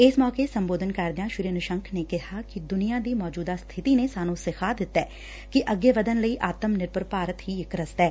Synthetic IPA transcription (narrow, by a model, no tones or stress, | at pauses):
ɪsmɔːkesə̃mboːd̪ʱənkɐɾd̪ɪjãːʃʊɾiənʊʃə̃ŋkʰnekɛɦakid̪ʊnijãd̪iːmɔːd͡ʒuːd̪ast̪ʰɪt̪inesaːnũsɪkʰaːd̪ɪt̪ːɛː | kiʔəɡeʋəd̪ənləiʔaːt̪əmnɪɾpəɾpaːɾət̪ɦiɪkɾəst̪ɛː